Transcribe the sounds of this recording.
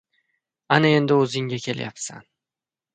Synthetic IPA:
anɪe̞nd̪ɪɵzɪŋʲakʲʰe̞lja̰psa̰n

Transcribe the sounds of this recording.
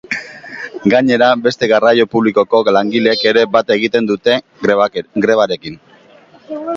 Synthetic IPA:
ɡaɲe̞ɾabe̞st̪e̞ɣarajo̞puβliko̞ko̞laŋɡileke̞ɾe̞bat̪e̞ɣit̪e̞nd̪ut̪e̞ | ɡɾe̞βaɾe̞kin

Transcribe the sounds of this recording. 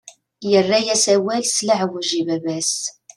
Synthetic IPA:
jərːæjæsæwælslaʕwəʒivævæs

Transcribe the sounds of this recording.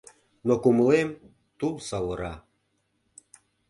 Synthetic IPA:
nokuməlem | t̪ulsɑwəɾɑ

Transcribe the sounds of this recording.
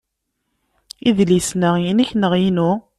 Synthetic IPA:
iðlisnəjiniçnəʁjinʊ

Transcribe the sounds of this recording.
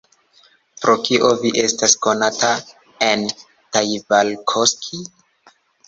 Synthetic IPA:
pɾokiʔoviʔe̞stasko̞nata | en | tajvalkʰoskʰi

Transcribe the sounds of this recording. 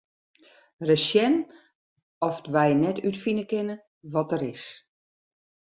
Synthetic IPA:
rəʃjɛn | ɔfdʋɛjnɛtytfinəkɪnə | ʋɔtəɾɪs

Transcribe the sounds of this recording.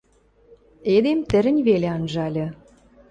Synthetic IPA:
ed̪emt̪ə̆ɾɘ̆nʲβeleɑnʒɑlʲɤ̆

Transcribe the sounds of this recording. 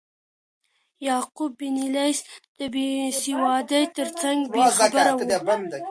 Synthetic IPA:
jɑqʊbːinilajsd̪̥əbesiwɑd̪əjt̪əɾt͡saŋɡbbexabəɾawban

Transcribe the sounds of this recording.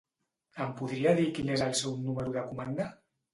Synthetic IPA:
əmpuðɾiaðikinezalˠsɛwnuməɾuðəkumand̪a

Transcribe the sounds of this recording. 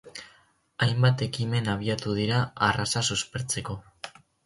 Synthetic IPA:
ajmbat̪e̞kime̞naβ̞iat̪uð̞iɾaarasasuspe̞ɾt͡se̞ko̞

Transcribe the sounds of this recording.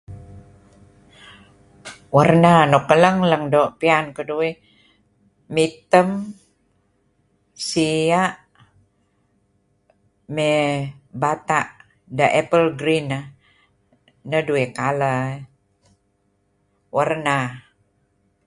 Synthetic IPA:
wərnanokələŋləŋdoʔpiankədui | it̪əm | siaʔ | mebat̪aʔ | dəʔɛpəlɡɾinə | nəduikalə | wərna

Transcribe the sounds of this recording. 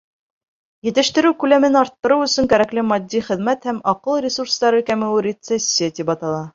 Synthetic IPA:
jɘ̆t̪ɘ̆ʃt̪ɘ̆ɾɘwkʉlæmɘnɒɾt̪ːɤ̆ɾɤwɵ̆sɵŋkæɾæklɘmɒd̪ʲːiχɘ̆ðmæt̪hæmɒqɤlˠrʲɪsuɾst̪ɑɾɤkæmɘ̆wɘɾʲɪt̪sesʲːat̪ipɑt̪ɑlˠɑ

